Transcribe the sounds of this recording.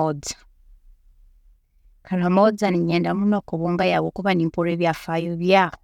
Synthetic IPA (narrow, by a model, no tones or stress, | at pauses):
od͡zḁ | kaɾhamod͡zaniɲeːndamunokoβoːŋɡajawokuβaniːmpoɾeβjafajoβjaːho